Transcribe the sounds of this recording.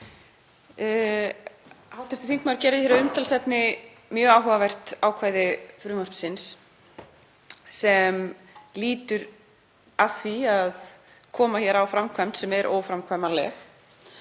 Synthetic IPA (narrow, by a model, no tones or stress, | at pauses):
hawt̪ɪ̥t̪ɪθiŋk̪maɾcɛɾðɪθçjɛɾaʏmt̪ʰalsɛpnɪ | mjœːaːwɦɔvavɛr̥t̪awkʰvaːjðɪfɾʏːmɔr̥psɪns | sɛm | liːt̪ʏɾ | aθviað | kʰɔːmaçɛɾawfɾamkʰvamt̪sɛmɛɾʔo̰ːwfɾamkʰvamalɛ̰x